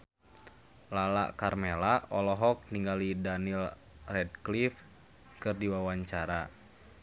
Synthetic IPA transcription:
lala̰ʔkarmelaɔlɔɦɔk̚niŋɡalidanil | rɛdklif | kɨrdiwawaɲt͡ʃaɾa

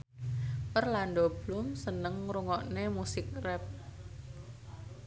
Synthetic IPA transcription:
pərlanɖɔblumsənəŋɾuŋɔʔnemusɪk̚rɛp̚

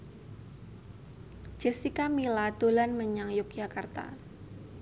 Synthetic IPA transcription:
d͡ʒ̥ɛsikamilad̥o̤lanməɲaŋjʊk̚ʒ̥a̤kart̪a̰

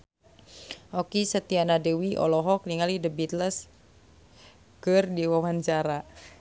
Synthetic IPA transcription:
ɔkisət̪ianadəwiʔɔ̰lɔɦɔk̚niŋalidəbit̪ləs | kɨrdiwawaɲt͡ʃaɾa

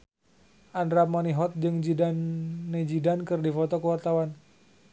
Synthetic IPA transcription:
ʔandɾamaniɦɔt̪̚d͡ʒɨŋd͡ʒidanːed͡ʒidankɨrdifɔt̪ɔkəwart̪awan

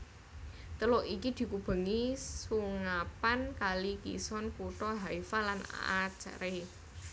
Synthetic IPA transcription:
t̪əlɔʔikid̪̥i̤kub̥ə̤ŋisuŋapankalikḭsɔnkuʈ̪ɔɦaifalana̰at͡ʃa̰ɾe

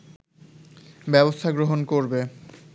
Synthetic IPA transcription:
bɛbost̪ʰaɡɾoɦonkoɾbe

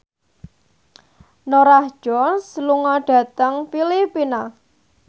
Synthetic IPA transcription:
noɾahʒ̥ɔnsluŋɔɖ̥ä̤t̪əŋpilipina

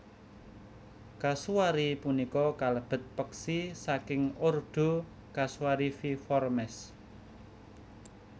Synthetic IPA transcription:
kasuaɾipunikɔkaləb̥ə̤t̪̚pəksisakɪŋorɖ̥o̤ | kasuaɾififɔrmɛs

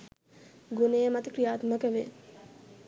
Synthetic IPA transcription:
ɡunejəmat̪əkɾijaːt̪məkəʋe

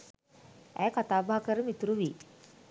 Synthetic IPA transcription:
ɛ̰kət̪abʱakəɾmit̪ɾuʋi

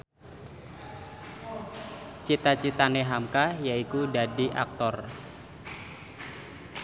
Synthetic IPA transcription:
t͡ʃit̪at͡ʃit̪aneɦamkajaikudadiʔa̰k̚t̪ɔr

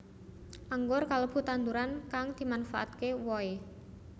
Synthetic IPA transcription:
ʔaŋɡʊrkalob̥ṳt̪and̪uɾankaŋd̪̥i̤manfa̰ʔa̰t̪̚kewɔe

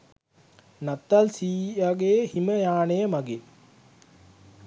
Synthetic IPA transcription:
nat̪ːalsiːaɡeːhiməjaːnejəmaɡe

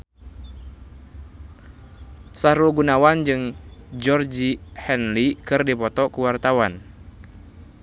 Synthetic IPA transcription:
saɾɔɡunawand͡ʒɨŋd͡ʒɔrd͡ʒihɛnlikɨrdipɔt̪ɔkuwart̪awan

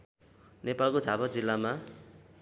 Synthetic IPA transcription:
nepalkod͡zʱabʌd͡zilːama

